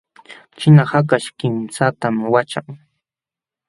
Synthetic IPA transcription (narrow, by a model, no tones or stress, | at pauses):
t͡ʃɪnahakaʃkɪmsat̪amwat͡ʃaŋ